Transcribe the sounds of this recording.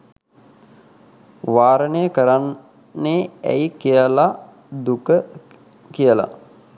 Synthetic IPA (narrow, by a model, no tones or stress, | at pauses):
ʋaːɾənejəkəɾanː | eːæ̰jkijəla | d̪ukə | kijəla̰